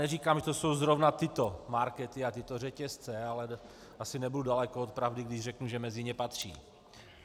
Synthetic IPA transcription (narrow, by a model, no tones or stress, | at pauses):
ɛriːkaːmʒɛt̪oso̞wzɾo̞vnat̪ɪt̪o̞maɾkɛt̪ɪat̪ɪt̪orɛcɛst͡sɛalɛ | ʔasɪnɛbududalɛkoot̪̚pɾavdɪɡdɪʒrɛknuʒɛmɛzɪɲɛpat̪r̝̥ḭː